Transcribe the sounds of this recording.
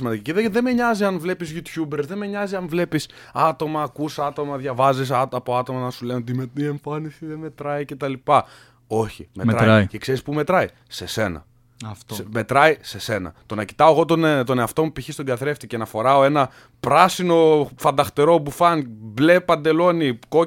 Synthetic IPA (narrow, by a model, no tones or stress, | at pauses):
imɐnd̪iciciðeðemeɲɐziɐnvle̞pizʝut̪çubeɾzðe̞meɲɐziɐnvle̞pis | ɐt̪o̞mɐːkusɐt̪o̞mɐðjʝɐvɐzisɐɐpo̞ɐt̪o̞mɐnɐsulenot̪̬imet̪ie̞ɱfɐnisiðeme̞t̪ɾɐice̞t̪ɐlipɐ | o̞çḭmeɾɐ̰cekseɾispumet̪ɾɐi | se̞se̞nɐ̰ | t̪sme̞t̪ɾɐise̞se̞nɐ̰t̪o̞nɐci̥t̪ɐoɣo̞t̪ont̪o̞neɐft̪o̞mupiçist̪oɡɐθɾe̞ft̪icenɐfo̞ɾɐo̞e̞nɐ | pɾɐsino̞fɐnd̪ɐxt̪eɾo̞pufɐnble̞pɐnd̪e̞lo̞niko